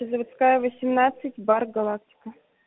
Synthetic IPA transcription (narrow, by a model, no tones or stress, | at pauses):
ɪzəvt̪skajəvəsʲɪmnat̪sɨtʲbarɡɐlˠak̚tʲɪ̥kə